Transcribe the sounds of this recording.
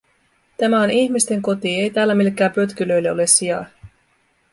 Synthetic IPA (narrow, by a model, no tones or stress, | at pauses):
t̪æmæo̞niçmist̪e̞ŋkot̪ie̞jt̪æːlːæmilekːæːmpøt̪k̟ylø̞jlːeo̞le̞sːiɑj